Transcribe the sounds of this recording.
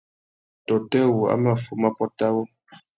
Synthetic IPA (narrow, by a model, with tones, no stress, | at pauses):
tɔ˨tɛ˦˨wu˨a̰˦ma˨fu˨ma˦pɔ˦ta˦wɔ˦